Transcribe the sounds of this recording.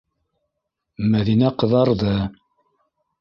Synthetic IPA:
mæðinæqɤ̆ðɑɾðɤ

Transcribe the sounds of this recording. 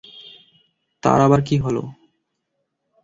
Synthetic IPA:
t̪a̰ɾabaɾk̬iɦolo̰

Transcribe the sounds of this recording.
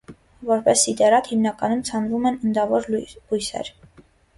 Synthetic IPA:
vɔɾpɛsːid̪ɛɾɑt̪himnɑkɑnumt͡sʰɑnvumɛnənd̪ɑvɔɾujsɛ̰ɾ

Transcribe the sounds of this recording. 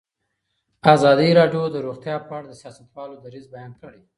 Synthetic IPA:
azɑd̪iɾɑɖjod̪əɾoɣt̪jɑpəaɽad̪əsjɑsat̪wɑlod̪aɾizbajɑnkəɽe

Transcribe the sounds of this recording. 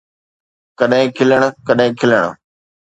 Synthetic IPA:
kɐɗɦɪ̃kʰɪləɽ̃kɐɗɦɪ̃kʰɪləɽ̰̃

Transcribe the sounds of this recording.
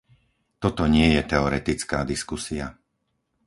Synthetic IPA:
t̪ɔt̪ɔɲɪɛjɛt̪ɛɔɾɛt̪it͡skaːd̪iskusia

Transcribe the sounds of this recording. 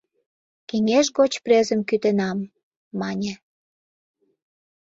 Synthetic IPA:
keŋʲeʃɣot͡ɕprezə̆mkyt̪enɑmː | ɑnʲĕ

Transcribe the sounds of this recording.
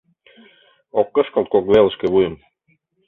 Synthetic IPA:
okːɤ̆ʃkə̆lˠt̪̚kokβelˠə̆ʃkĕβujə̆m

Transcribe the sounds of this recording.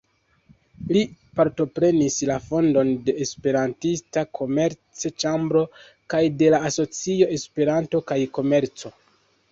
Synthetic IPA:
lipaɾto̞pɾe̞nislafo̞ndo̞nde̞ːspe̞ɾantistakʰo̞me̞ɾt͡set͡ʃambɾo̞ | kajde̞laːso̞t͡sio̞e̞spe̞ɾanto̞kajko̞me̞ɾt͡so̞

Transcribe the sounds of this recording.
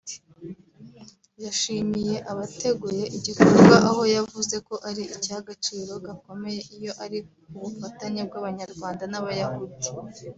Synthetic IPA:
jaʃiːmije̞ʔaβate̞ɡuje̞ʔiɟikoɾɡwaʔaho̞javuze̞ko̞ʔaɾiicaɡat͡ʃiɾo̞ɡako̞me̞je̞ʔijo̞ʔaɾi | uβufataɲeb̚ɡaβaɲaɾɡwaːndanaβajahodi̥

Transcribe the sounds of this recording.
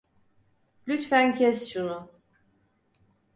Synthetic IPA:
lʲyt̪fæŋkʲʰɛst͡ʃunu

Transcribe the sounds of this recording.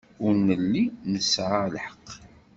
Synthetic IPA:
ʊɾnəlːinəsʕalħə̥qː

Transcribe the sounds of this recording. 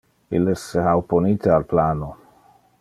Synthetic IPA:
ilesːehawponiːt̪ealplaːno

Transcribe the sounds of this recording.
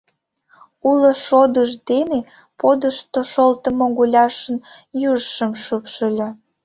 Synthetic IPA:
uloʃod̪əʒd̪ene | pod̪əʃt̪oʃolt̪ə̆moɣulʲɑʃən | jurʃəmʃupʃəlʲɤ

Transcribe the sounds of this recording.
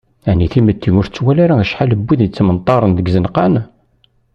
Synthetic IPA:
aʕniθimət̪ːinʊɾt͡sːwælaɾaæʃħaləbːiðit͡sːmənt̪ˤːɑɾˤənðəɡzənqɑn

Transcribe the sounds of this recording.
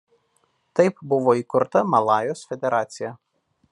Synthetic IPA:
t̪ɐɪpbʊʋoːiːkʊɾt̪ɐmɐlˠɑːjoːsfʲɛd̪ʲɛɾɑːt̪sʲɪjɛ

